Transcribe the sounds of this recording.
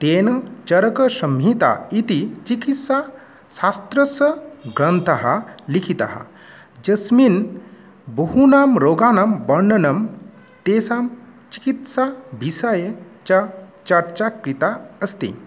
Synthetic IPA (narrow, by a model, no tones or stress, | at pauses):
t̪eːnɐt͡ʃɐɾəkəsɐmɦit̪a̰it̪it͡ʃikit̪sa | sast̪ɾəsəɡɾənt̪ʰɐɦalikʰit̪a̰ɦa̰ | d͡ʒɐsmin | bəhunaːmɾoːɡaːnambəɾnɐnɐmt̪eːsamt͡ʃi̥kit̪sabʱisajet͡ɕat͡ʃɐɾt͡ɕakɾit̪aɐst̪ḭ